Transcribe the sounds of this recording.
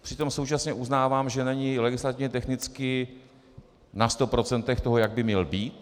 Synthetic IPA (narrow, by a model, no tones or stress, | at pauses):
pr̥ɪt̪o̞mso̞wt͡ʃasɲɛʔuznaːvaːmʒɛnɛɲɪlɛɡɪslat̪ɪvɲɛt̪ɛxnɪt͡skɪ | nast̪o̞pɾo̞t͡sɛnt̪ɛxt̪o̞ɦo̞jaɡ̚bɪmɲɛlbiːt̪